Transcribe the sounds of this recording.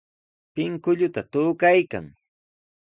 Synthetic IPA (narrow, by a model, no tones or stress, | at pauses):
pɪŋkʊʎʊt̪at̪ʊːkajka̰ŋ